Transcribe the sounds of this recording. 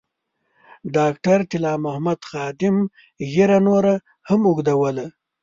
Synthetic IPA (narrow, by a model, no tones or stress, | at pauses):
ɖɑkʈaɾt̪ɪlɑːmʊhmad̪xɑd̪ɪm | ɣeɾanoɾa | hamʊɡd̪awəla